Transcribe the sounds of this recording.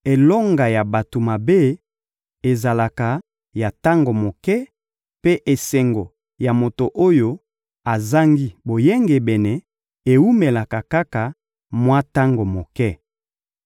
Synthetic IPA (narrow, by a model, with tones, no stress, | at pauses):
e˨lɔ˦ŋɡa˨ja˨ba˨to˨ma˨be˦ | e˨za˨la˨ka˨ | ja˨ta˦ŋɡo˨mo˨kɛ˦ | pe˦ʔe˨sɛ˨ŋɡo˨ | ja˨mo˨to˨ʔo˦jo˦ | a˨za˦ŋɡi˦bo˨je˦ŋɡe˨bɛ˨nɛ˨ | e˨u˦me˨la˨ka˨ka˦ka˨ | mwa˦ta˦ŋɡo˨mo˨kɛ˦